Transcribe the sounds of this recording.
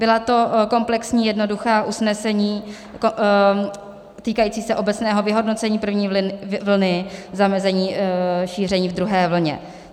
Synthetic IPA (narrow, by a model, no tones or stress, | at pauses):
b̥ɪlat̪o̞ko̞mplɛksɲiːjɛdno̞duxaːʔusnɛsɛɲiː | o | t̪iːkajiːt͡siːsɛʔo̞bɛt͡snɛːɦo̞vɪɦo̞dno̞t͡sɛɲiːpr̩vɲiːvl̩nɪzamɛzɛɲiːʃiːr̝ɛɲiːvd̪ɾuɦɛːvl̩ɲɛ̰